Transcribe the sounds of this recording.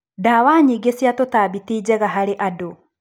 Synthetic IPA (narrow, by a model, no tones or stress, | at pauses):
dawaːɲiːɡesjatotaːβitiːd͡ʑɛɣaɦaɾeʔado